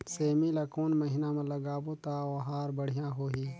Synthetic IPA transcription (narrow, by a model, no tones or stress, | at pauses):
seːmilɐkoːnmɐɦinamɐlɐɡaːboːt̪aːoɦaːɾbɐɽ̤ijãːɦoːɦiː